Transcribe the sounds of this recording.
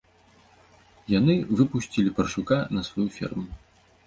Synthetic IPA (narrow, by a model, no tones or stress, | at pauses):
janɨvɨpusʲt͡sʲilʲipɐrʂukanɐsvajufʲḭrmu